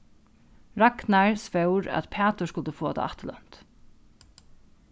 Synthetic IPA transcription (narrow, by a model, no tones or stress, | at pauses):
ɾaknaɹspewɾæ̰t̪pʰæːt̪ʊʂskʊlt̪əfoɔːa̰t̪ʰa̰a̰ht̪əlœ̰n̥t̪